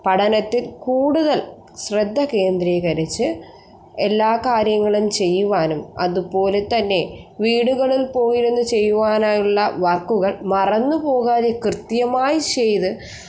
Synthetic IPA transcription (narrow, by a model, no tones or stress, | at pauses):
pɐɽʰɐnɐt̪ːilkuːɽuðɐl | ɕred̪ʱːɐke̞ːnd̪ɾekɐɾit͡ɕːɨ | elːaːkaːɾjɐŋːɐɭumt͡ɕe̞jːuʋaːnumɐ̰ðupo̞ːlet̪ɐnːe̞ʋiːɽuɣɐɭilpo̞ːjiɾunːut͡ɕe̞jːuʋaːnaːjuɭːɐʋɐrkːuɣɐɭmɐrɐnːupo̞ːɣaːðekrɨt̪jɐmaːjit͡ɕe̞jt̪ɨ